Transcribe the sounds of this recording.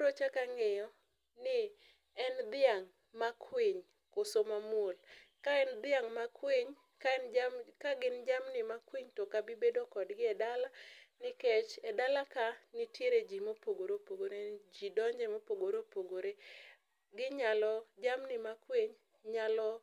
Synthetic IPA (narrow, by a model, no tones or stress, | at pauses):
ɾot͡ʃakaŋɪjɔ | nɪ | ɛnd̪ɪaŋ | makʰweɲ | kosomamol | kaɛnd̪ɪaŋmakweɲ | kankaɡɪnd͡ʒamnɪmakwiɲtokabɪbedokɔdɡɪɛdalanɪket͡ʃɛdalakanɪtjeɾed͡ʒimopoɡoɾopoɡoɾed͡ʒidɔɲd͡ʒɛmopoɡoɾopoɡoɾe | ɡɪɲalɔd͡ʒamnɪmakweɲ | ɲalɔ